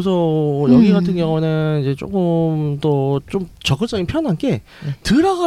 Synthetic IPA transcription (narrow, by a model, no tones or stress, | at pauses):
s̬ʰʌjʌɡiɡatʰɯnɡjʌŋunɯnid͡ʑe̞t͡ɕ͈o̰k͈ɯmt͈ot͡ɕ͈omt͡ɕʌk͈ɯɭt͡ɕ͈ʌɡinpʰjʌnɦank͈e̞ | tɯɾaɡa